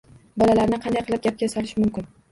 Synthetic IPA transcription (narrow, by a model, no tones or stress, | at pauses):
bɒlalaɾnɪqʰɑnd̪ajqʰɨlɪp̚ɡʲap̚ɡʲasɒlɪʃmʊmkʲɪn